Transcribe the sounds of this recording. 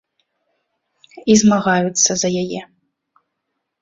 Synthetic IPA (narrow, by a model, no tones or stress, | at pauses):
izmaɣajut̪sːɐzɐjajɛ